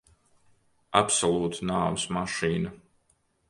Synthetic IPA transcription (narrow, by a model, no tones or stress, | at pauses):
apsɔlˠuːt̪naːmsmaʃiːnɐ